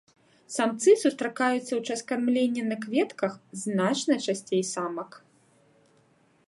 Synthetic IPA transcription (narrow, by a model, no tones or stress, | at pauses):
samt̪sɨsust̪ɾakajut̪sːɐwt͡ʂaskarmlʲenʲːɛnɐkvʲɛt̪kɐxznat͡ʂnɐt͡ʂasʲt͡sʲejsamɐk